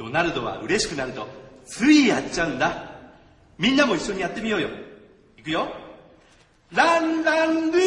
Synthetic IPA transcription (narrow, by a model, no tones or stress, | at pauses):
onaɾɯd̪o̞βa̰ɯ̟ɾe̞ɕi̥kɯ̟naɾɯ̟t̪o̞t͡sɨɡʲijat͡ɕaɯ̟nd̪a | mʲĩnːamo̞iɕːo̞ɲ̟ijat̪ːe̞mʲijo̞ːjo̞̰ | ikɯjo | ɾanɾanɾi